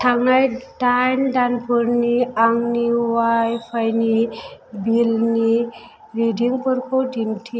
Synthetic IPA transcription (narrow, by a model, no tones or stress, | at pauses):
ʈʰaŋajʈajnɖanpəɾniaŋniwajpʰajnibilni | ɾiɖiŋɡpəɾkʰodʱinʈʰi